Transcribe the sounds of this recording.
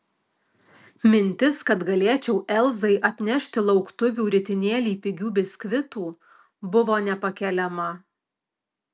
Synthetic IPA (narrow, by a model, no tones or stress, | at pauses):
mʲɪnʲt̪ʲɪskɐt̪ɡɐlʲeɛt͡ʃʲɛʊʔɛlˠzɐɪʔɐt̪ʲnʲɛʃʲt̪ʲɪlˠɒʊkt̪ʊʋʲuːɾʲɪt̪ʲɪnʲeːlʲiːpʲɪɡʲuːbʲɪsʲkʲʋʲɪt̪uː | bʊʋoːnʲɛpɐkʲɛlʲɛmɐ